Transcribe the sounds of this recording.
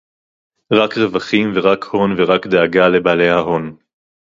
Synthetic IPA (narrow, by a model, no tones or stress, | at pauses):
ʁakʁe̞vaχimveʁakho̞nveʁakd̪eaɡale̞baːle̞jhaɦo̞n